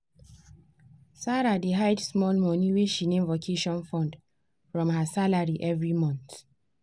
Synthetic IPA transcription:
saɹadiɦaɪdsmɔlmɔniweʃinẽmvokʰeʃɔ̃nfɔ̃nd | fɹɔ̃mhasalaɹiʔɛvɹimɔ̃nθ

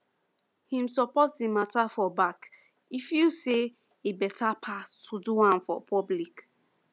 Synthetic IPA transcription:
hĩmsɔpɔtdimatafɔbak | ifilse | ibɛtʰapʰastuduwãnfɔ̰pʰɔblik

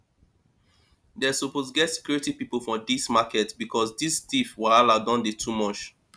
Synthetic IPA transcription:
dɛsuposɡɛtsɛ̥kjɔɹitipipofɔ̃dismakɛtbikʰɔsdistifwaaladɔ̃ndetʰumɔt͡ʃ

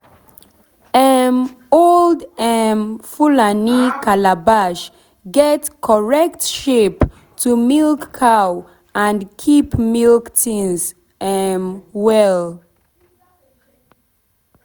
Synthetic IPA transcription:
ɛm | oldɛmfulanikalabaʃ | ɡɛtkʰɔɹɛktʃep | tʰumilkːʰaw | ãnkʰipmilktĩnz | ɛmwɛl

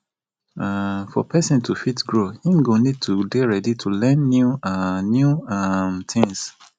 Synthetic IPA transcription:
afɔ̰pʰɛsĩntʰufitɡɹohĩmɡonid̚tʰudeɹɛditʰulɛ̃nːjunjuamt̪ʰĩŋs

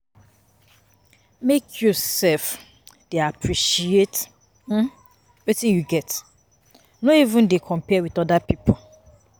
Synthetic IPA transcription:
mekʰjɔsɛlf | d̥eapʰɹiʃiet̩ | wetɪ̃njuɡɛt | nɔ̃ivũndekʰɔ̃mpʰɛwiθɔdapʰipʰo

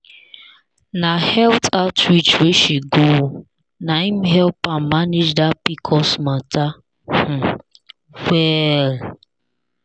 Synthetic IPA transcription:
nahɛltʰatwit͡ʃweʃiɡo | naim̩ɦɛlpammaned͡ʒdapikʰɔsmata | h̩ | wɛl

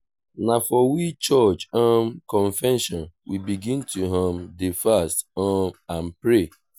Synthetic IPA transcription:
nafɔwit͡ʃɔt͡ʃɔ̃mkɔ̃ɱvɛ̃nʃɔ̃nwibiɡĩntʰuɦɔ̃mdefastɔ̃mãnpɾe

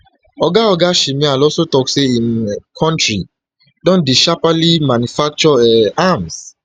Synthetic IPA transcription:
ɔɡaɔɡaʃimĩalɔsotɔkseĩnkʰɔ̃ntɾi | dɔ̃ndeʃapalimãnjufak̚t͡ʃɔɛams

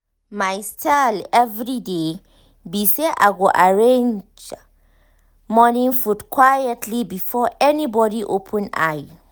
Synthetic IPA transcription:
majstʰalɛvɹide | biseʔa̰ɡoʔaɹẽnd͡ʒ | mɔnĩŋfudkʰwajɛtʰlibifɔɛnibɔdiʔopʰə̃na̰j

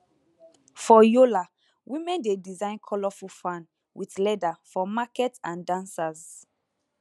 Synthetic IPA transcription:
fɔjola | wĩmɛ̃ndedizãɪ̃nkʰɔlɔfufãn | wiθlɛdafɔmakɛtãndãnsaz

